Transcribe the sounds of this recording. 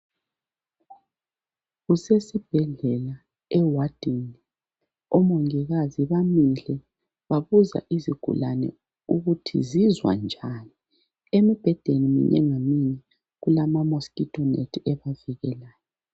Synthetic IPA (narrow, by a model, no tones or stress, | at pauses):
ɣusɛsib̥ʱɛɮɛla | ɛwad̥ʱin | ɔmɔŋiɣaziβamiɮɛ | βaβuza̰ʔiziɡ̥ʱṵlanɛ̰ | uɣutʰḭzizwa̰nd͡ʒʱani | emib̥ʱɛd̥ʱenimḭɲʔɛ̰ŋamiɲɛ | ɣulamamoskitʼɔnḛtʰɛβaviɣɛlaːjɔ